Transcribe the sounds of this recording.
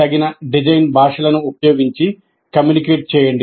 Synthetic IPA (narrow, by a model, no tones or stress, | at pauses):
ɐɡinɐɖid͡ʒɐjnbʱaːʂɐlɐnuːpɐjo̞ːɡiɲt͡ʃi | kɐmjuːnikeːʈ̚t͡ʃɛːjɐɳɖi